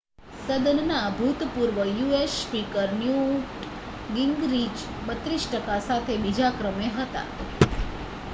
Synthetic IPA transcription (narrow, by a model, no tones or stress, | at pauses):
səd̪ənnabʱut̪puɾʋəjuespikəɾnju | ɡiŋɡɾid͡ʒ | bət̪ɾisʈəkasat̪ʰebid͡ʒakɾəmeɦət̪a̰